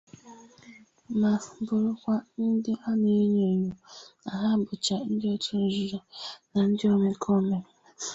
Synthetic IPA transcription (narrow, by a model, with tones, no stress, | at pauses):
ma˨bʊ˨ɾʊ˦kʷa˦n̩˦dɪ˦ʔa˦ne˦ɲe˨o˨ɲu˨a˨ɦa˦˨bʊ˨t͡ʃa˨n̩˦dɪ˦ɔ˦tʰu˦n̩˨zu˨˦ɾa˨na˨n̩˦dɪ˦o˦me˨kʰɔ˦me˨ɾ